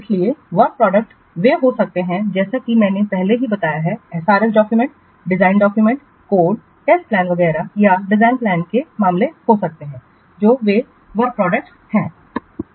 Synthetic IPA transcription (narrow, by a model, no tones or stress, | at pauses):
ɪslieʋɐɾ̚pɾɔːɖək̚ʈ | ʋeɦosɐk̚t̪eɦɛ̃d͡ʒɛːsakimɛ̃ːnepɛɦleɦibɐt̪aːjaɦɛɛɦsaːɾɪkɖɔːkjʊmɛ̃ɳʈ | ɖɪzaːɪnɖɔːkjumə̃ɳʈ | koːɖ | ɛːsplɛ̃ːnʋɐɡɛːɾajaɖɪzaːɪnplɛ̃ːnkemãːmlehosɐk̚t̪eɦɛ̃ː | d͡ʒoːʋe | ʋɐɾk̚pɾɔːɖək̚ʈ | hɛ̃ː